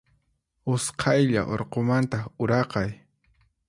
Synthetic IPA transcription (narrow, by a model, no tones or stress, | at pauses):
ʊsqʰɑjʎa̰ʔoɾqomant̪aʊɾɑqɑj